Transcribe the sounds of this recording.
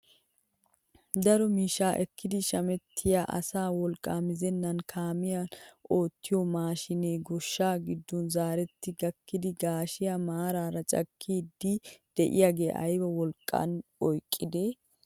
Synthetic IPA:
d̪ɐɾɔmiːʃːaːʔɛkʰːɪd̪ɪʃɐmɛt̪ʰːɪjaːʔɐ̰saːwɔlkʼːa̰ːmɪzɛnːɐnkʰaːmɪjanʔo̞ːt̪ʰːɪjɔmaːʃɪneːɡɔʃːaːɡɪd̪ːɔnzaːɾɛt̪ːɪɡɐkːɪd̪ɪɡaːʃɪjamaːɾaːɾɐt͡ʃʼɐ̰kʰːiːd̪ːɪd̪̥ɛʔɪ̰jaːɡe̞̰ːʔɐ̰jbɐwɔlkʼːɐ̰nɔjkʼːɪd̪eː

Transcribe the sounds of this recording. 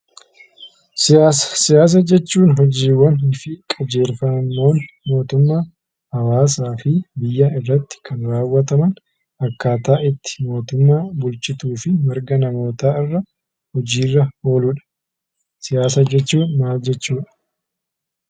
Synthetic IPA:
sɪjaːsɐ̥sɪjaːs̬ɐd͡ʒɛt͡ʃːuːnɦɔd͡ʒiːwːɐnɪfɪkʼɐd͡ʒe̞ːɾfɐnɐmːo̞ːn | mo̞ːt̪ʊmːaː | hɐwaːs̬aːfɪbɪjːɐɪrːɐt̪ːɪ̥kʰɐnɾaːwːɐt̪ɐmɐn | ɐkːaːt̪aːʔɪt̪ːɪ̥mo̞ːt̪ʊmːaːbʊlt͡ʃɪt̪uːfɪmɪɾɡɐnɐmo̞ːt̪aːɪrːɐ | hɔd͡ʒiːrːɐho̞ːlʊᶑɐ̥ | sɪjaːsɐd͡ʒɛt͡ʃːuːnmaːld͡ʒɛt͡ʃːuːᶑɐ̥

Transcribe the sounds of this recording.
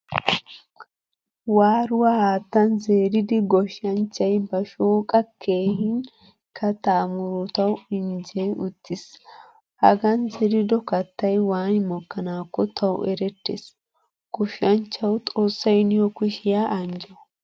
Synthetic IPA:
waːɾʊwahaːt̪ːɐnzeːɾɪd̪ɪɡɔʃːɐnt͡ʃːɐjbɐʃuːkʼɐkʰe̞ːhɪn | kʰɐt̪aːmʊɾʊt̪ɐwɪnd͡ʒɛjʊt̪ːɪs | hɐ̰ɡɐnzɛɾɪd̪ɔkɐt̪ːɐjwaːnmɔkːɐnaːkːɔt̪ʰɐw̰ɛɾɛt̪ːḛs | ɡ̥ɔʃːɐnt͡ʃːɐwt̪ʼo̞ːsːɐjnɪjɔkʊʃɪjaʔɐnd͡ʒɔ

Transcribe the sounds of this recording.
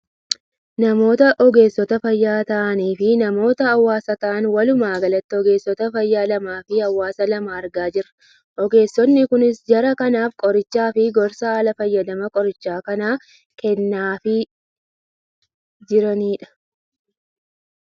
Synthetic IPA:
nɐmo̞ːt̪ɐʔɔɡe̞ːsːɔt̪ɐfɐjːaːt̪ɐʔɐniːfɪnɐmo̞ːt̪ɐːwːaːsɐt̪ɐʔɐnwɐlʊmaːɡɐlɐt̪ːɪɔɡe̞ːsːɔt̪ɐfɐjːaːlɐmaːfɪɐwːaːsɐlɐmaːɾɡaːd͡ʒɪɾɐ | ʔɔɡe̞ːsːɔnːɪkʊnɪsd͡ʒɐɾɐkɐnaːfkʼɔɾɪt͡ʃːaːfɪɡɔɾsaaːlɐfɐjːɐd̪ɐmɐkʼɔɾɪt͡ʃːaːkɐnaː | kɛnːaːfɪ | d͡ʒɪɾɐniːᶑɐ̥

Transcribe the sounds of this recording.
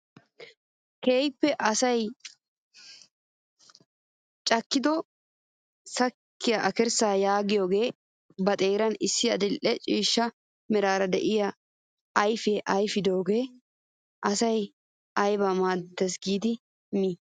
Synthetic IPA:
keːjpːɛʔɐsɐj | t͡ʃʼɐkːɪd̪ɔ | sɐkːɪjɐʔɐkɛɾsaːjaːɡɪjo̞ːɡe̞ː | bɐt̪ʼeːɾɐnɪsːɪɐd̪ɪlʔɛt͡ʃʼiːʃːɐ | mɛɾaːɾɐd̪ɛʔɪja | ɐjfeʔɐjfɪd̪o̞ːɡe̞ː | ʔɐsɐj | ʔɐjbɐmaːd̪ːɐsɡiːd̪ɪ | ni

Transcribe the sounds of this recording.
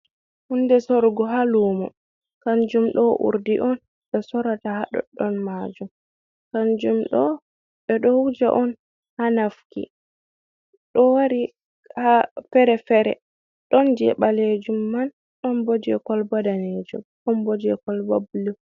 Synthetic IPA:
hundɛsɔɾɡɔɦaluːmɔ̰ | kand͡ʒumɗɔʔṵɾdiʔɔn | ɗɔsɔɾatahaɗɔ̰ɗɔnmad͡ʒum | kand͡ʒumɗɔ | ɗɛɗɔwud͡ʒa̰ʔɔn | hanafkḭ | ɗɔwaɾi | hafɛɾɛfɛɾɛ̰ | ɗɔnd͡ʒɛ̰ɓaled͡ʒumːan | ɗɔnbod͡ʒɛkɔlbadaned͡ʒṵmɗɔnbɔd͡ʒɛkɔlbabulɔ

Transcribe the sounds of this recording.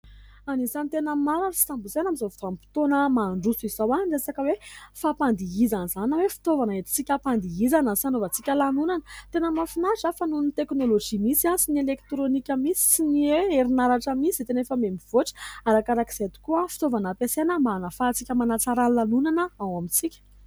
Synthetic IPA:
anizanit̪enəmaɾat͡si̥t̪ambuzejnamizovi̥t̪oampi̥t̪onəmaɳɖ͡ʐusizawaɖ͡ʐesakəwefapand̪iizanzanəwefi̥t̪ovanəet̪i̥t͡sikʲəpand̪iizanəsanovat͡sikʲəlanunanə̥t̪enəmafinaʈ͡ʂafanunit̪eknolod͡ʒimisiasinielekt̪ɾonikʲəmisi̥sinieeɾinaɾaʈ͡ʂamisit̪enefəmemiv̥oʈ͡ʂə̥aɾakaɾakiz̥et̪i̥kuafi̥t̪ovanapesenəmanəfat͡sikʲəmanat͡saɾanlanunanəawamit͡sikʲə̥

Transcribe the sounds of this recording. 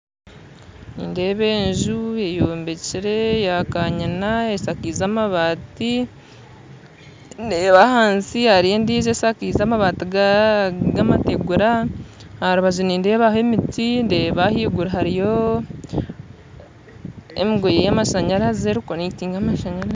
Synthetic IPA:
niːnde̞ːβe̞ːɲʒujejoːmbeciɾe̞jakaɲanaesakiːzamaβaːti | ndeːβahaːnsihaɾijendiːzesakiːzamaβaːtiɡaɡamateɡuɾa | haɾuβaʒuniːnde̞βahe̞mitinde̞ːβahiːɡuɾaɦaɾijo̞ | ḛmiɡojejamaʃaɲaɾazeɾikoniitiːŋɡamaʃaɲaɾa

